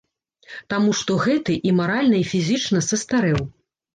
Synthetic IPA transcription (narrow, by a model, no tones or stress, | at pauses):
t̪amuʂt̪ɔɣɛt̪ɨʔimaɾalʲnɐifʲizʲit͡ʂnɐsɐst̪aɾɛw